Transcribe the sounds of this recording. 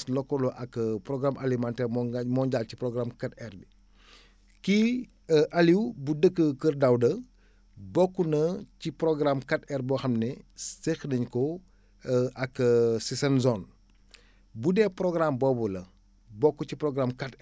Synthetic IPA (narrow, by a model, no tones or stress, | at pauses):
slɔkːɔlɔʔɐkːpɾɔɡɾamʔɐlimantɛːrmɔmɔːɲɟalciprɔɡramkatɛrbi | ki | ʔɐliwbudəkːəkərdɐwdɐ | bɔkːunɐciprɾɔɡramkatɛrbɔxɐmnɛsexnəɲkɔ | ʔɐkːsisɐnzɔn | budɛːprɔɡrambɔbɔlɐ | bɔkːucipɾɔɡramkat